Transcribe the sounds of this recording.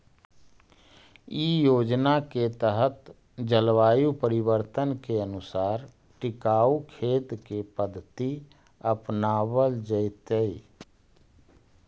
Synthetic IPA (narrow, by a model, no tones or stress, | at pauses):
ijoːd͡ʒnaket̪əɦət̪ | d͡ʒəlwaːjupəɾɪwəɾt̪ənkeənʊsaːɾ | ʈɪkaːukʰeːt̪kepəd̪ʱːət̪i | əpnaːwəld͡ʒəɪt̪ei